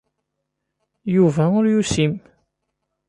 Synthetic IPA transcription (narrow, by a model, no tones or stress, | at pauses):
juvæʊɾjusim